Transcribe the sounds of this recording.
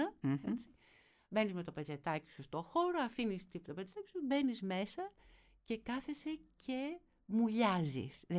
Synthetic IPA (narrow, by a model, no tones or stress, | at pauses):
ɐet͡si̥ | be̞nizme̞t̪o̞pet͡se̞t̪ɐci̥sust̪o̞xo̞ɾoɐfinist̪ipt̪opet͡set̪ɐci̥sube̞nizme̞sɐ | ce̞kɐθe̞se̞cʰe̞ | muʎɐzḭsð